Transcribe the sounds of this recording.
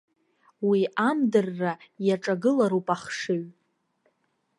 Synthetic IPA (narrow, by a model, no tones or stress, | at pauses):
wiʔamdɨrːajaʈ͡ʂʼaɡɨlaɾupʼaχʂɨɥ